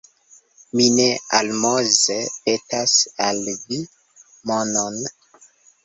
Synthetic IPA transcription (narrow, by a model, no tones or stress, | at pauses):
minea̰lmozepetasalvi | monon